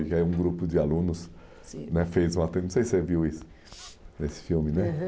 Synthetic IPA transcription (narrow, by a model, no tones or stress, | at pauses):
ʊkɪaiũɡɾupʊd͡ʒɪalũnʊs | nɛfejzũat̪ẽñsejseviwisʊ̥ | nesɪ̥fiwmɪnɛ